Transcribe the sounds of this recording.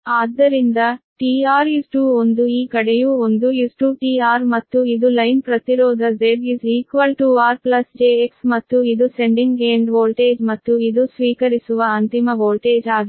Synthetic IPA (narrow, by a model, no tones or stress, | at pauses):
aːd̪ːɐɾind̪ɐʈiːaːɾisʈuːond̪uiːkɐɽejuːond̪uisʈuʈiːaːɾmɐt̪ːuid̪ulɐjnpɾɐt̪iɾoːd̪ɐzeɾiziːkʋɐlʈuaːɾplɐsd͡ʒeːeksmɐt̪ːuid̪use̞ɳɖiŋɡeːɳɖʋoːlʈeːd͡ʒmɐt̪ːuid̪usʋiːkɐɾisuʋɐɐnt̪imɐʋoːlʈeːd͡ʒaːɡi